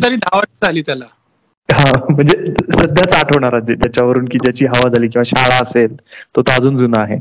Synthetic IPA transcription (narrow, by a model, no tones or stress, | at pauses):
t̪̬əɾiːd̪ʱaʋaid͡zʱaliːt̪jala | ɦãm̤əɳd͡zesəd̪ʱjat͡saʈʰəʋɳ̃aɾaəd͡ʑjat͡ɕaʋəɾuːnkiːd͡ʑjat͡ɕiːɦəʋad͡zʱaliːk̬ĩʋaɕaɭaəselt̪ot̪ad͡zuːnd͡zunaaɦḛ